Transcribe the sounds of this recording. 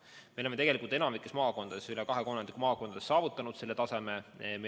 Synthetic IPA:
meolemet̪e̞ɡelikult̪enɑmikːˑesmɑːko̞nd̪̥ɑd̪esylekɑɦe̞ko̞nːɑnd̪̥ikumɑːko̞nd̪̥d̪esːɑːvut̪ːˑɑnud̪se̞lːet̪ɑse̞me̞me

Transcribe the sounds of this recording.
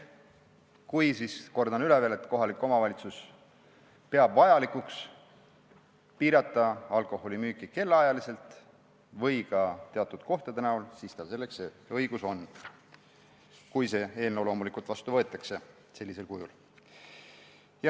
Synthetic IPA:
kujsisko̞rd̪ɑnylevelet̪ˑko̞ɦɑlikːˑo̞mɑvɑlʲit̪sus | pe̞ɑb̥vɑjɑlikuks | piːɾɑt̪ˑːɑɑlko̞ho̞lʲimyːkːˑike̞lːeɑjɑlise̞lt̪ˑ | vɤjkɑt̪eɑt̪ːˑud̪̥ko̞ht̪ɑd̪enæulsist̪ɑse̞lːe̞kseɤiɡ̥uso̞nː | kujse̞eːlnewlo̞ːmulikˑult̪vɑst̪uvɤ̞e̞t̪ːˑɑkse̞ | se̞lːise̞lkujul | jɑ

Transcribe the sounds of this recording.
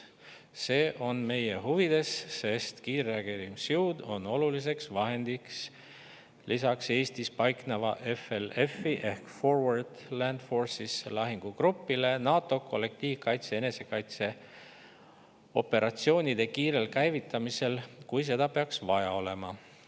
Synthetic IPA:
se̞ːʔo̞nme̞jeɦuvid̪̥e̞sːe̞st̪kiːreɑɡ̥eɾimsjuwd̪̥o̞no̞lulis̬e̞ksvɑɦe̞nd̪̥iks | lisɑkse̞ːst̪ispɑjknɑvɑʔe̞fele̞fːiʔe̞hkfo̞rwɑrd̪̥lænd̪̥fo̞rsislɑɦiŋɡ̥uɡɾupːile̞nɑːt̪ːˑo̞kʰo̞lːe̞k̚t̪iːvkɑjt̪se̞ene̞se̞kɑjt̪se̞ | o̞pːe̞ɾʔɑt̪sio̞ːnʲid̪̥e̞kiːɾe̞lkæjvit̪ːˑɑmise̞lkujs̬e̞d̪̥ɑpe̞ɑksvɑjɑo̞le̞mɑ

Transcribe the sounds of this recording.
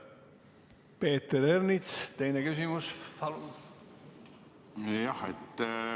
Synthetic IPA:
peːt̪eɾernit̪st̪e̞jnekysimuspɑlu | jɑhḛt̪ː

